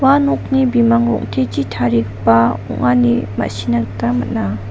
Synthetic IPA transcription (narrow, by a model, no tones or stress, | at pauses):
wanoχnibimaŋro̰ŋt̪ʰet͡ɕi̥t̪ʰarik̚pawo̰ŋanima̰ɕinak̚t̪amə̰na